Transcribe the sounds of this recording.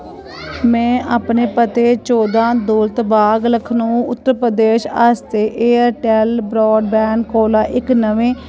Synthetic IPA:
mɛ̃ːʔaːpneːpət̪eːt͡ʃoːd̪ãːd̪oːlt̪baːɡləkʰnũːʊt̪ːəɾpɾəd̪eːʃaːst̪eːʔeːəɾʈɛːlbɾɔːɖ̚bɛːɳɖkoːlaːʔɪknəʋẽː

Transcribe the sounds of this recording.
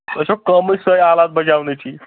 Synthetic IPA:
əɕokəmiːsəjalat̪̚bəd͡ʑaʋnɛt͡ɕiː

